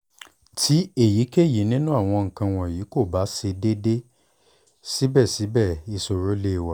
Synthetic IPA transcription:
tʰi˨˦e˦˨ji˨˦ke˦˨ji˨˦nĩ˦nũ˦a˦˨w̃ɔ̃˧ŋ̩̃˨kã˧w̃ɔ̃˨jiː˨˦ko˦˨ba˨˦se˧de˦de˦ | si˦bɛ˦˨si˨˦bɛ˦˨i˧so˧ɾo˨˦le˦˨wa˨

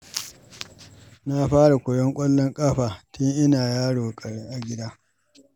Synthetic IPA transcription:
na˦ɸaː˦ɽa˨kʷʊ˨jɔ˦ŋkʷʼɔ˦lːɔ˦ŋkʼaː˦ɸaː˨tʊ˦ŋʔɪ˦naː˨jaː˦ɽoː˨kʼɐ˨ɽe˦ʔa˨ɡʲɪ˦daː˦

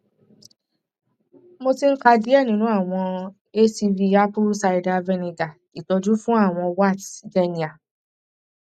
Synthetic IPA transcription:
mo˧ti˧ŋ̩˦ka˧di˨˦ɛ˦˨nĩ˦nũ˦a˦˨w̃ɔ̃˧ | e˦si˧vi˧a˧˦pu˦sa˧i˧da˧vɛ˧nĩ˧ɡa˨ki˨tɔ˧d͡ʒu˦fũ˦a˦˨w̃ɔ̃˧wa˦˨tde˧nĩ˨a˨

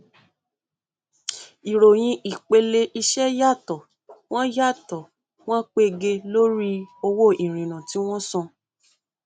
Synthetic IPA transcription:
i˨ɾo˨j̃ĩ˧ʔi˨k͡pe˧le˧ʔi˧ʃɛ˦ja˦˨tɔ˨ | w̃ɔ̃˦ja˦˨tɔ˨ | w̃ɔ̃˦k͡pe˧ɡe˧lo˦ɾi˦o˧wo˦i˨ɾ̃ĩ˨nã˨ti˨˦w̃ɔ̃˦sɔ̃˧

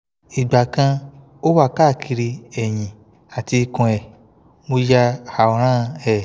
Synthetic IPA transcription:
i˨ɡ͡ba˨kã˧ | o˦wa˦˨ka˦˨kʰi˧ɾi˧ɛ˨jĩ˨ | a˨ti˧kɔ̃˧ɛ˨ | mo˧ja˧a˨ɔ˨ɾ̃ã˦˧ɛ˦˨

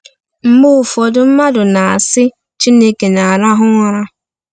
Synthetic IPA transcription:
m̩˦mʊ˦ʊ˨fɔ˨dʊ˦m̩˦ma˦dʊ˨na˨a˨sɪ˦ | t͡ʃi˦ne˦ke˨na˨a˨ɾa˦ɦʊ˦ŋʷa˦ɾa˦

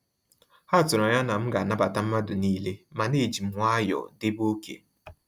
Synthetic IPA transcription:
ha˦˨tʊ˨ɾɔ˨ɲa˦na˨m̩˦ɡa˨a˨na˦ba˨ta˦m̩˦ma˦dʊ˨ni˦le˦ma˨ne˦˨d͡ʒi˨m̩˨˦ŋʷ˦a˦jɔ̰˨dɪ˦bo˦kḛ˨

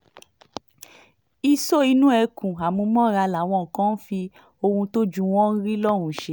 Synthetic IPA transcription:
i˧so˦i˧nũ˦ɛ˧kũ˨a˨mũ˧˦mɔ̃˦˨ɾa˧la˨w̃ɔ̃˧˨kɔ̃˦n̩˦fi˧ | o˧hũ˧to˦d͡ʒũ˦˧w̃ɔ̃˦n̩˦ɾi˦lɔ˦˨ɾ̃ũ˧˦˨ʃe˦

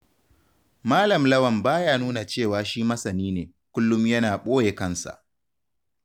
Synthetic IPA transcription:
maː˦lɐ˨mlɐ˦wɐ˨mbaː˦jaː˦nuː˦na˨t͡ʃeː˦˨waː˨ʃiː˦mɐ˦sɐ˨niː˦neː˨ | kʷʊ˦lːʊ˦mjɐ˦naː˨ɓoː˦je˨kɐ˦˨nsa̰˨ʔ

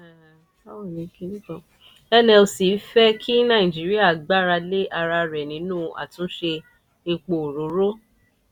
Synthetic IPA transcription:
a˦wo˦˨nĩ˨˦ke˧nĩ˦kɔ˨ | ɛ˧nɛ˧lsi˨˦fɛ˦kʰi˦nã˦˨ĩ˨d͡ʒi˨˦ɾi˦a˦˨ɡ͡ba˦ɾa˧le˦ʔa˧ɾa˧ɾɛ˨nĩ˨˦nũː˦˨a̰˨tũ˦ʃe˧ | e˧k͡po˨ɾo˨˦ɾo˦

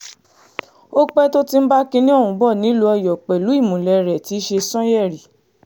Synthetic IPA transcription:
o˦k͡pɛ˦to˦ti˧m̩˦ba˦kĩ˧nĩ˦o˦˨ũ˨˦bɔ˦˨nĩ˨˦lu˦ɔ˧jɔ˨k͡pɛ˨lu˨˦i˦˨mũ˨lɛ˨ɾɛ˨ti˨˦ʃe˧sɔ̃˦jɛ˦˨ɾi˨

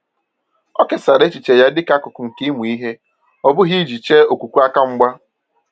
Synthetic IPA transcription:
ɔ˦ke˨sa˨ɾe˦t͡ʃi˨t͡ʃe˨ja˦dɪ˦ka˦kʊ˨kʊ˨ŋ̩˨ki˦mu˨i˦ɦe˦ | ɔ˦bʊ˦ɦi˦d͡ʒi˨t͡ʃe˦o˨kʷu˨kʷu˦a˦ka˦ŋ͡m̩˦ɡ͡ba˦

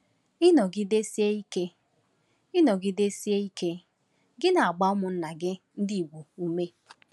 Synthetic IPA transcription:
ɪ˦nɔ˨ɡɪ˦de˦si˦e˦i˦ke˦ | ɪ˦nɔ˨ɡɪ˦de˦si˦e˦i˦ke˦ | ɡɪ˦na˨a˨ɡ͡ba˦ʊ˦mʊ˨n̩˦na˨ɡɪ˦ | n̩˦di˦i˨ɡʷo˨u˦me˦

